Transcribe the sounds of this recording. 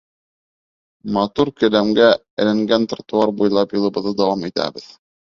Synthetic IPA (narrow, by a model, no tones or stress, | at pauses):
mɑt̪uɾkɵ̆læmɡæ | ɘ̆lɘ̆ŋɡænt̪rat̪uɑɾbujlˠɑpjŏlˠɤ̆bɤ̆ðːɤd̪ɑwɑmit̪æ̰bɘð